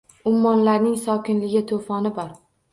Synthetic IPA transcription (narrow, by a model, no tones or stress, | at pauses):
ʊmːɒnlaɾnɪŋsɒkʲɪnlɪɡʲɪt̪ʰofɒnɪbɒɾ